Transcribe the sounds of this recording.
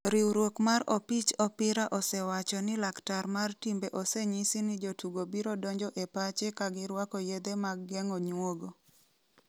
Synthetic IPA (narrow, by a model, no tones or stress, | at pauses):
ɾiwɾwokmaɾɔpit͡ʃɔpɪɾaʔɔsɛwat͡ʃɔnɪlaktarmartimbeʔɔseɲisɪnɪd͡ʒotuɡobiɾɔdɔɲd͡ʒɔʔepat͡ʃekaɡɪɾwakɔjed̪emaɡːɛŋɔɲwoɡo